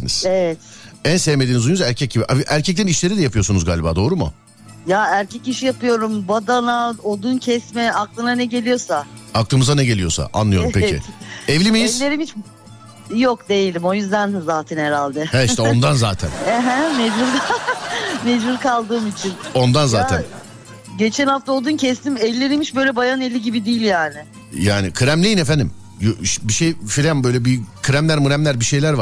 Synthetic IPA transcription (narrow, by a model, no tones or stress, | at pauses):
ḭniz̥evɛt̪ænsevmed̪iːnizujuzæɾcʰɛc̚ɟibiʔaviʔæɾcʰɛc̚t̪æniʃlʲe̞ɾid̪ɛjapʰɯjo̞sunuzɡaːlʲibaːd̪o̞ːɾumʊ̰ | jaæɾcʰɛciʃijapɯjo̞ɾumbad̪anaod̪uncʰɛsmɛaklˠɯnanɛɟe̞lʲijo̞saaklˠɯːmɯzanɛɟe̞lijo̞sa̰ʔa̰nlˠɯjoumpecʰḭɛvlʲimejjilːʲeɾimit͡ʃ | jokd̪e̞jilʲimo̞jyzd̪ænzaːt̪ʰɛnheɾalʲd̪ɛhɛiʃt̪ɛo̞nd̪anzaːt̪ʰæ̰nɛɦɛmezbuɾd̪a | mezbuɾkʰalˠd̪ɯːmit͡ʃʰino̞nd̪anzaːt̪ʰæ̰n | ɟe̞t͡ʃʰɛnhaft̪ao̞lˠd̪uncʰɛst̪imɛlʲːe̞ɾimit͡ʃbø̞jlʲɛbajanelʲiɟibid̪ijːilʲjaːnɪ | jaːnɪkʰɯɾæmlʲejinefænd̪im | jʃbiʃejfilʲæmbø̞jlʲɛbikʰɯɾæmlʲæɾmɯɾæmlʲæɾbiʃe̞jlʲæɾvaɾ